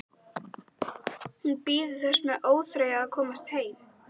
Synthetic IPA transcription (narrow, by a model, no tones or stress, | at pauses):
hunpiːðʏθɛsmɛðʔoːwθɾeːjakʰɔːmast̪heːjm